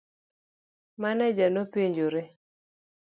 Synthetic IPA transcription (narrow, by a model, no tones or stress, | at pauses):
manɛd͡ʒanopeɲd͡ʒoɾe